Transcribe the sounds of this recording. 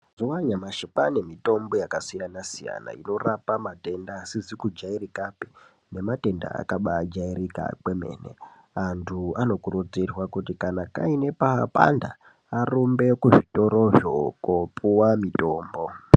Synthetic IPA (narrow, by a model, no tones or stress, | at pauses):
zowaɲamaʃipanemito̞mbo̞jakasijanasija̰na̰ino̞rapamate̞ndaːsizikud͡ʒairikapi̥ | ne̞mate̞nda̰a̰kaɓaːd͡ʒaiɾika̰k͡pweme̞̰ːne̞̰ | antʰuano̞kurud͡zirwakutikanaka̰ine̞paːpa̰ndaː | rombe̞kuʐito̞ɾo̞ʐokopʰuwamito̞ːmbo̞